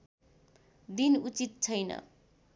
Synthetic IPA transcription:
d̪inut͡sit̪̚t͡sʰʌjnʌ̰

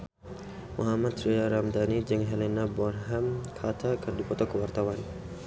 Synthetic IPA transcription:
muɦamat̪̚tɾiaɾamd̪anid͡ʒəŋɦɛlɛnabɔnɦamkʰat̪ʰakərdipɔt̪ɔkəwart̪awan

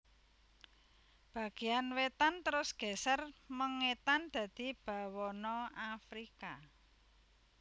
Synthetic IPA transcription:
b̥ä̤ɡ̥e̤anwet̪ant̪əɾʊsɡ̥ɛ̤sərməŋet̪and̪̥ä̤d̪̥i̤b̥a̤wɔnɔafɾika

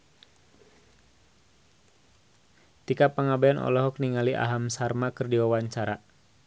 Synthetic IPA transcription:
t̪ikapəŋabaanʔɔ̰lɔɦɔk̚niŋaliʔa̰ɦamsarmakɨrdiwawaɲt͡ʃaɾa

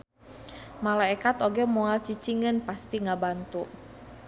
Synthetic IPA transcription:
malaɛkat̪oɡɛmɔalt͡ʃit͡ʃiŋənpast̪iŋabant̪u

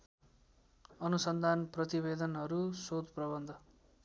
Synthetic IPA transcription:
ʌnusʌnd̪ʱanprʌt̪ibed̪ʌnɦʌɾusod̪prʌbʌnd̪ʱʌ

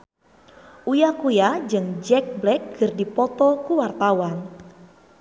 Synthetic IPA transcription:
ʔujakujad͡ʒɨŋd͡ʒɛk̚blɛk̚ɡɨrdipɔt̪ɔkuwart̪awan

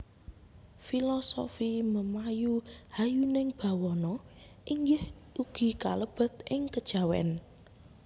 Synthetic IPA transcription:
filɔso̰fiməmajuhajunɪŋb̥a̤wɔnɔ | ʔiŋɡɪhuɡ̥i̤ka̰ləb̥ə̤t̪ʔɪŋkəd̥ʒ̥a̤wɛ̰n

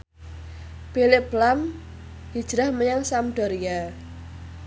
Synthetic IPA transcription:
b̥elɪb̥lam | d̥id̥ʒ̥ɾahməjaŋsamɖ̪̥ɔ̤ɾija

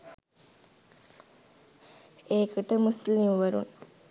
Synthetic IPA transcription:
eːkɨʈəmuslimʋɐɾṵn

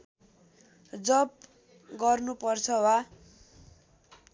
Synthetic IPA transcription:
d͡zʌb | ɡʌrnupʌrt͡sʰʌwa

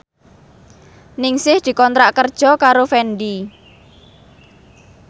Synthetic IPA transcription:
nɪŋsɪhd̪̥i̤kɔnt̪ɾaʔkərd̥ʒ̥ɔ̤kaɾofɛndi

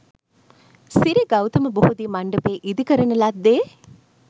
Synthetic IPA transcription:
siɾiɡɐwt̪ɐməbuhud̪iːmaɳɖɐpeːʔid̪ikəɾɐnɐlad̪ːeː

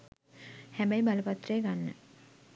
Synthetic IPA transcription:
hæbajbaləpat̪ːrəːɡanːə̰

